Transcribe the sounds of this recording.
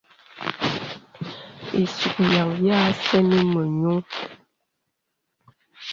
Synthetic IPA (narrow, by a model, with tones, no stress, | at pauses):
ḛ˨su˨k̚ja˨ŋja˦sɛ˦ni˦mə˨ɲo˦ŋ